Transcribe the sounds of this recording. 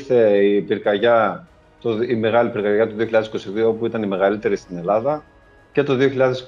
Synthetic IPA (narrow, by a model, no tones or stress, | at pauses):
θe̞ipiɾkɐʝɐ | t̪oime̞ɣɐlipiɾkɐʝɐt̪uðioçiʎɐðesiko̞siðio̞opuit̪ɐnime̞ɣɐlit̪e̞ɾist̪ine̞lɐðɐ | ce̞t̪o̞ðio̞çiʎɐðe̞s